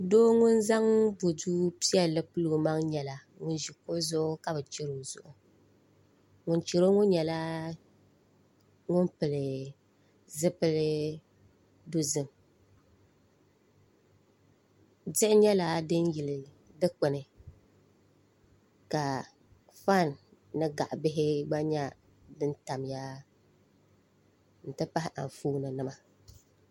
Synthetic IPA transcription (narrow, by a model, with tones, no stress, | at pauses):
doː˦ŋʊ˦nza˦ŋbo˨duː˦pi˦ɛ˦lɨ˦pɨ˦lo˨ma˦ŋɲɛ˨la˨ | ŋʊ˦n˦ʒi˨ko˦zʊ˦ʔʊ˦ka˨bɨ˨t͡ʃɪ˦ɾo˨zʊ̰˨ʔʊ˨ | ŋʊ˨nt͡ʃɪ˨ɾo˦ŋʊ˦n˦ɲɛ˨la˦ | ŋʊ˦npɨ˨lɨ˨ | zɨ˦pɨ˦lɪ˦ | do˦zɨ˨m | d͡ʒɪ˦ʔɪ˦ɲɛ˦la˦dɨ˦n˦ji˨lɪ˨ | dɨ˦k͡pʊ˨nɨ˨ | ka˨ | fa˦˨nː | ɨ˦ɡa˨ʔbɪ˦ɦɪ˦ɡ͡ba˦ɲa˦ | dɨ˦nta˨mja˦ | n̩˨tɨ˦pa˦ɦɪ˦ʔa̰˨ɱ˨fuː˦nɨ˨nɨ˦ma˦